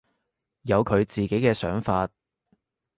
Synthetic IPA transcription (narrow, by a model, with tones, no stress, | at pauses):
jɐ˨˧wkʰɵ˨˧ɥt͡siː˨ke˨˥jkɛː˧sœ̰ː˨˥ŋfaː˧t̚